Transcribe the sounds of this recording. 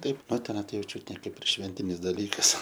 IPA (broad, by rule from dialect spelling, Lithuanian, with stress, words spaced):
ˈtɐɪp ˈnʊ tʲɛˈnɐɪ ˈjɛʊ ˈt͡ʃʲʊt nʲɛ ˈkɐɪp ɪr ˈʃʲʋʲɛnʲtʲɪnʲɪs dɐˈlʲiːkɐs